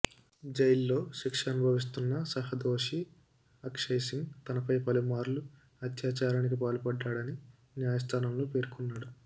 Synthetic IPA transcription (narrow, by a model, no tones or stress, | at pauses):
d͡ʒɐjlːo̞ːʃekʂɐnubʱɐʋis̬t̪unːɐsɐɦɐd̪o̞ːʂi | ɐkʂɐjsiŋɡt̪ɐnɐpɐjpɐlumaːɾlu | ɐt̪jaːt͡ʃaːɾaːnik̬ipaːlɐpɐɖːaːɽɐni | njaːjɐst̪ʰaːnɐmloːpe̞ːɾkunːaːɽu